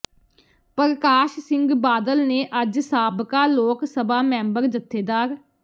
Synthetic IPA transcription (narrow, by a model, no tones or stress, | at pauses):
pəɾkaːʃsɪ̃ŋɡbaːd̪əlneːʔəd͡ʒsaːbkaːloːksəbaːmɛ̃ːmbəɾd͡ʒət̪ʰːeːd̪aːɾ